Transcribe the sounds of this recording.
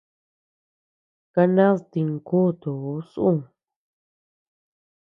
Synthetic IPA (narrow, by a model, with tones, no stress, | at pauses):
ka˧nã˦st̪i˧ŋku˦˧t̪u˨u˦sʔũ˦˨